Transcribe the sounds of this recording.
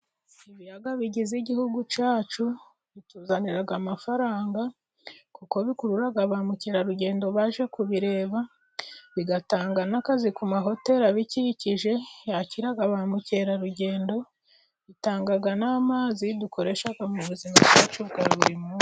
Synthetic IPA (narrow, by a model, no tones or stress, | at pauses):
iβijaɡaβiɟiziɟihuɡut͡ʃaːt͡ʃu | βituːzaniɾaɡamafaɾaːŋɡa | kuko̞βikuɾuɾaɡaβamuce̞ːɾaɾuɟe̞ːndo̞βaːʒe̞kuβiɾe̞ːβa | βiɡataːŋɡanakazikumaɦo̞te̞ɾaβiciciʒe̞jaciɾaɡaβamuce̞ɾaɾuɟe̞ːndo̞ | βitaːŋɡaɡanaːmaːzidukʰo̞ɾe̞ʃaɡamuβuzimabɡaːt͡ʃuβɡaɾβuɾimuː